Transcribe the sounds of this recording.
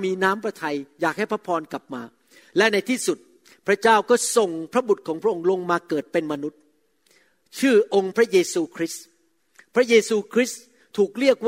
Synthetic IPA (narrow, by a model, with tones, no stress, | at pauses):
miː˧naː˦˥mpɾa˧t̪ʰa˧jjaː˨˩k̚ha˥˩jpʰa˦˥pʰɔː˧nka˨˩p̚maː˧ | lɛ˦˥na˧jt̪ʰiː˥˩su˨˩t̪̚ | pʰɾa˦˥t͡ɕaː˥˩wkɔː˥˩so˨˩ŋpʰɾa˦˥bu˨˩t̪̚kʰɔː˩˦ŋpʰɾa˥ʔo˧ŋlo˧ŋmaː˧kɤː˨˩t̪̚pe˧nma˧nu˦˥t̪̚ | t͡ɕʰɯː˥˩ʔo˧ŋpʰɾa˦˥jeː˧suː˧kʰɾi˦˥s | pʰɾa˦˥jeː˧suː˧kʰɾi˦˥s | t̪ʰuː˨˩k̚ɾi˥˩ək̚w